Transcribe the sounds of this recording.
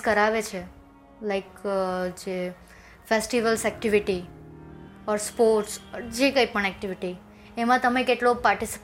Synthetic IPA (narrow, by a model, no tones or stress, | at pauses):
kəɾaʋet͡ʃʰe | laɪkd͡ʒe | fesʈiʋəlsɛk̚ʈiʋiʈi | ɔɾspoɾʈsd͡ʒekəipəɳ̃ɛk̚ʈiʋiʈi | emãt̪əmekeʈlopaɾʈisi̥p